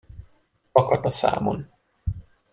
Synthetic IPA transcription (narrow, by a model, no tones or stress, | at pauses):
ɒkɒt̪ɒsa̰ːmo̰n